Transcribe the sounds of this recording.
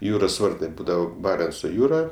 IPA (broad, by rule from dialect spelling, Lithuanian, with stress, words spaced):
ˈjuːroːs ˈʋɐrtɐɪ ˈbuːdɐʋoː ˈbɑːrʲɛnt͡soː ˈjuːrɐ